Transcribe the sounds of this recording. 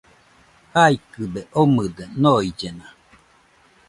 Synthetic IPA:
haikɯbeʔomɯd̪enoid͡ʒena

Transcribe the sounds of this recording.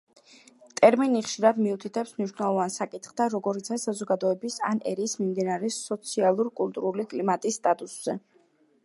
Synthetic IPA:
t̪ʼɛɾminiχʃiɾad̪miut̪ʰit̪ʰɛpsmniʃwnɛlˠɔvansakʼit̪χd̪aɾɔɡɔɾit̪sʰasazɔɡad̪ɔɛbisa̰nɛɾiːsmimd̪inaɾɛsɔt̪sʰialˠuɾkʼult̪ʼuɾulikʼlimat̪ʼisːt̪ʼat̪ʼusz̥ɛ

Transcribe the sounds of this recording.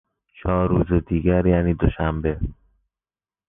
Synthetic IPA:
t͡ʃʰɒːɾːuːzed̪iːɡæɾjæːniːd̪oʃæmbe

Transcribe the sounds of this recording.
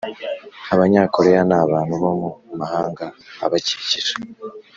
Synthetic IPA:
aβaɲaːko̞ɾejanaːβaːn̥huβomumahaːŋɡaːβaciiciɾḁ

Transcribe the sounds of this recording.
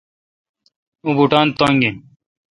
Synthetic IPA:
ubuʈaːnt̪oŋɡi

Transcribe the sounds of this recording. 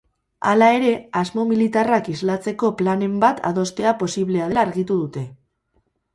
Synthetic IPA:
a̰lae̞ɾe̞azmo̞milit̪arakizlat͡se̞ko̞plane̞mbat̪ʰa̰ð̞o̞st̪e̞apo̞siβle̞aðelaːɾɣit̪uðut̪e̞

